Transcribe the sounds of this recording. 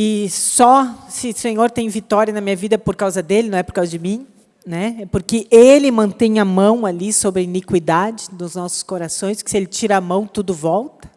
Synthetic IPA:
ɪsɔsɪsẽɲoɾt̪ẽj̃vit̪ɔɾjɐnɐmĩɲɐvid̪ɐpoɾkawzɐd̪elɪnɐ̃w̃ɛpoɾkawzɐd͡ʒɪmĩ | nɛɛpoɾkɪʔelɪmɐ̃nt̪ẽj̃ɐmɐ̃w̃alisobɾɐinikwid̪ad͡ʒɪnʊznɔsʊ̥skoɾasõj̃skɪ̥sɪelɪt͡ʃiɾamɐ̃w̃t̪ud̪ʊvɔwt̪ɐ̥

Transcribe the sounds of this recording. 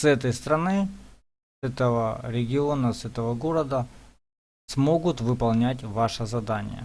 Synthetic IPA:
sɛt̪əjst̪ɾɐnɨ | sɛt̪əvəɾʲɪɡʲɪo̞nəsɛt̪əvəɡo̞ɾəd̪ə | smo̞ɡʊt̪vɨpɐlˠnʲætʲvaʂəzɐd̪anʲɪ̰jə̰

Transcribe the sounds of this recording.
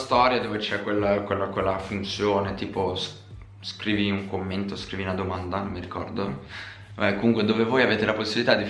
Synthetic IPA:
st̪ɔɾjad̪oːvet͡ʃɛkwelːakwelːakwelːafunt̪sjoːnet̪iːpos | skɾiːviuŋkomːent̪oskɾiːviunad̪omand̪anomːiɾikɔ̰rd̪o | ɛkːomuŋkwed̪oːvevoːjaveːt̪elaposːibilit̪ad̪ːi

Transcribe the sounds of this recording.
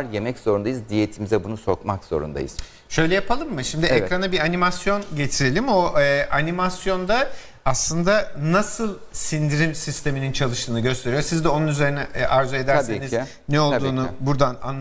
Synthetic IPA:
ɾje̞mɛcz̥o̞ɾund̪ajɯzd̪ijet̪ʰimizɛbunusokmakz̥o̞̰ɾṵnd̪a̰jɯ̰z̥ | ʃø̞jlʲɛjapʰalˠɯmːɯʃimd̪iekɾanabiɾanimasjo̞nɟe̞t̪ʰiɾe̞lʲimo̞ʔanimasjo̞nd̪a | aslˠɯnd̪anasɯlˠsind̪iɾimsist̪ʰe̞minint͡ʃʰalˠɯʃt̪ʰɯːnɯɟø̞st̪ʰe̞ɾijosizd̪ɛo̞nunyze̞ɾinɛʔaɾzoed̪æɾseniz | nɛo̞ld̪uːnubuɾd̪ana̰nː

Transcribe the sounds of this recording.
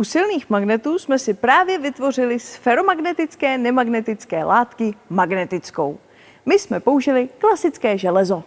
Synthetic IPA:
ʔusɪlniːxmaɡnɛt̪uːsmɛsɪpɾaːvjɛvɪt̪vo̞r̝ɪlɪsfɛɾo̞maɡnɛt̪ɪt͡skɛːnɛmaɡnɛt̪ɪt͡skɛːlʔaːt̪kɪmaɡnɛt̪ɪt͡sko̞̰w | mɪsmɛpo̞uʒɪlɪklasɪt͡skɛːʒɛlɛzo̞

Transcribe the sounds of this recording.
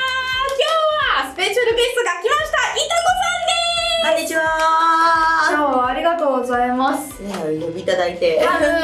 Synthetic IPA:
akʲoːβasɨ̥pe̞ɕaɾɯ̟ɡe̞sɨ̥t̪oɡakʲimaɕi̥t̪aʔit̪aɡomãnːeoɲːit͡ɕiβa | oːβːɾʲiɡat̪o̞ːɡo̞zaimasɨ̥ | ojobʲiːt̪ad̪ait̪e̞a

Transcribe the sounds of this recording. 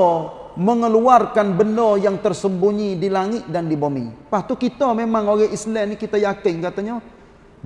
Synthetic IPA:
məŋəluarkanbəndɔjaŋt̪ərsəmbuɲidilaŋɪt̪̚dandibomḭpaht̪ukit̪ɔmemaŋoɡɛʔislɛnikit̪ajakɪŋkat̪aɲa

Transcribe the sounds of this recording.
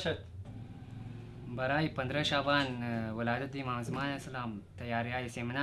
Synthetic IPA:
ɐt̪ | bɐɾaːjpɐnd̪ɾəɕaːbaːnʋɐlaːd̪ɐt̪̚d̪imaːmzmaːlesɐlaːmt̪ɐjaːɾjaːjisemna

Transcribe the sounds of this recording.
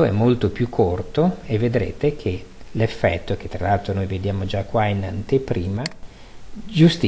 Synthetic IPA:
oɛ̰mːolt̪opjukʰːort̪oevːed̪ɾḛːt̪ekʰelefːɛ̰t̪ːok̟et̪ːɾalalt̪ɾonojved̪jaːmod͡ʒakːwainant̪epɾiːma | d͡ʒust̪i

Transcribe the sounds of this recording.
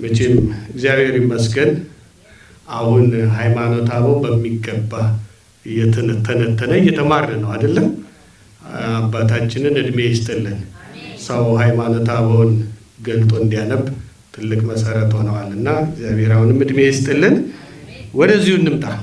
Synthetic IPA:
mət͡ʃenɨmɨɡzijaβhe̞ɾimːəsɡən | ahunɦajmano̞t̪ʰaβəwnbəmːiɡːəbːa | ɨjɛt̪ʰənət̪ʰːənət̪ʰːənəɨjːɛt̪ʰəmaɾnənəwad̪əlːəm | abːat̪ʰat͡ʃːɪnɨnɨd̪mejɪst̪ʼɨlːɨnsəwɦajmano̞t̪ʰaβəwun | ɡəlt̪ʼoɨnd̪ijanəb | t̪ʰɨlːɨkʼməsəɾət̪ho̞nəwalɨnːaɨɡzijaβhe̞ɾahunɨmːɨd̪mejɪst̪ʼɨlːɨn | wɔd̪əzːihunːɨmt̪ʼa

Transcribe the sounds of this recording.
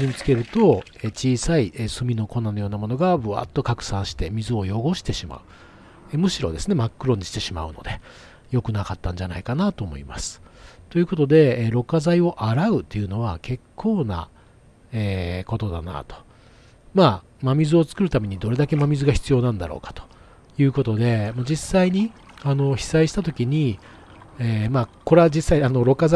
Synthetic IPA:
ɨɲit͡sɨ̥ke̞ɾɯ̟t̪o̞et͡ɕiːsaiʔesɨmʲino̞ko̞nːano̞jo̞ːnamo̞no̞ɡabɯ̟a̰t̪ːo̞kakɯ̟̥sãɰ̃ɕi̥t̪e̞mʲizɨo̞jo̞ɡo̞ɕi̥t̪e̞ɕima̰ɯ̟ | emɯ̟ɕiɾo̞̰d̪e̞̰sɨne̞makːɯ̟ɾõ̞ɲ̟ːiɕi̥t̪e̞ɕima̰ɯ̟no̞̰d̪e | jo̞kɯ̟nakat̪ːãɲ̟d͡ʑana̰ikanat̪o̞ːmo̞̰ḭma̰sɨ̥t̪o̞jɯ̟ko̞t̪o̞d̪e̞ɾo̞kːazaio̞ʔaɾaɯ̟t̪ːe̞jɯ̟no̞βakʰe̞kʰːo̞ːna̰ | eːko̞t̪o̞d̪a̰na̰t̪o̥ | maː | mamʲizɨo̞t͡sɨ̥kɯ̟ɾɯ̟t̪ame̞ɲ̟id̪o̞ɾe̞d̪ake̞mamʲizɨɡaçi̥t͡sɨjo̞ːnãnd̪a̰ɾo̞̰ːkḁt̪o̥ | jɯ̟ːko̞t̪o̞d̪e̞mod͡ʑisːaiɲ̟i | ano̞çi̥saiɕi̥t̪at̪̬o̞kʲiɲ̟i | eːmako̞ɾead͡ʑisːaiano̞ɾo̞kaz

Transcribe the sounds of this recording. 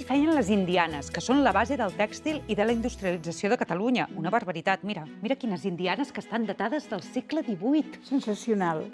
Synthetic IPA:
fɛjənləzind̪ianəskəsonləβazeðəlˠt̪ɛkst̪ilˠiðələind̪ust̪ɾiəlid͡zəsioðəkət̪əluɲəunəβərβəɾit̪at̪miɾəmiɾəkinəzind̪ianəskəst̪and̪ət̪aðəzðəlˠsekləðiβujt̪sənsəsiunalˠ

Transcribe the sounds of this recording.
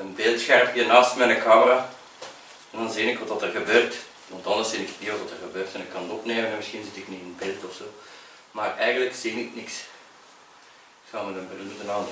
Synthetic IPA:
ənbɪlˠtsxɛrpəənaːstmɛnəkɑːməraː | ɛndɑnziːnɪkʋɑtʋɑtərɣəbøːrt | ʋɑntɑndəszinɪkətniʋɑtʋɑtərɣəbøːrtɛnɪkːɑnɔpneːmənɛnməsxinzɪtɪkniənbɪlˠtɔfsoː | marɛjɣəndləksiːnɪknɪks | ɪksɑlmədənbərydənɑːndə

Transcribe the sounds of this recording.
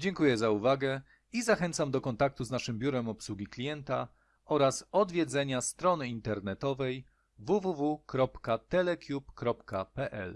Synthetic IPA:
d͡ʑɛŋkujɛzauvaɡɛ | izaxɛnt̪samd̪ɔkɔnt̪ak̚t̪uznaʂɘmbʲjuɾɛmɔpswuɡʲiklʲijɛnt̪a | ɔɾasɔd̪vʲjɛd̪zɛɲast̪ɾɔnɘint̪ɛɾnɛt̪ɔvɛj | vuvuvukɾɔpkat̪ɛlɛkʲjupkɾɔpkapɛʔɛ̰l

